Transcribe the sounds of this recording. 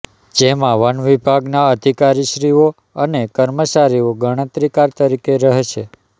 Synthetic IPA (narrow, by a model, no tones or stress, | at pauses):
d͡ʒemãʋənʋibʱaɡnaəd̪ʱikaɾiʃɾio | ənekəɾmət͡ʃaɾioɡəɽ̃ə̃t̪ɾikaɾt̪əɾikeɾəɦeʃʰe